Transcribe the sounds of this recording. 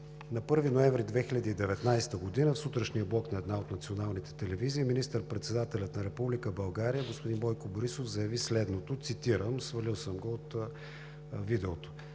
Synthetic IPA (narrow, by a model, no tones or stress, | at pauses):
nɐpɤɾvinoɛɱvɾid̪vɛxilʲəd̪iːd̪ɛvɛt̪najst̪əɡod̪inəfsut̪ɾəʃniəblˠɔknɐɛd̪naot̪nɐt̪sionalˠnit̪ɛ̥t̪ɛlɛviziːminist̪əɾpɾɛt̪sɛd̪at̪ɛlʲɐt̪nɐɾɛpublikəbɐlˠɡaɾijəɡospʊd̪inbɔjkoboɾisofzɐjɐvislɛd̪not̪ot̪sit̪iɾəmsvɐlilˠsəmɡoot̪ | vid̪ɛot̪o̥